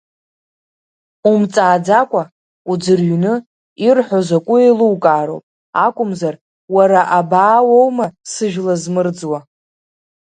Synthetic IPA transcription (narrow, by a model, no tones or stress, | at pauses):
umt͡sʼaːd͡zakʷʼa | ud͡zɨrɥnɨ | irħʷozakʷʼʊiluwkʼaːɾo̰wpʼ | akʷʼʊmzar | waɾaʔabaːwowmasɨʒᶣlazmɨrd͡zwa